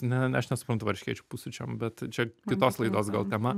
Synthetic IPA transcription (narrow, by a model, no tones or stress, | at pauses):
nʲɛnʲɐʃnʲɛsʊpɾɐnt̪ʊʋɐɾʲʃʲkʲiɛt͡ʃʲupusʊt͡ʃʲɛmbʲɛt̪t͡ʃʲɛkʲɪt̪oːslˠɐɪd̪oːsɡɐlˠt̪ʲɛmɐ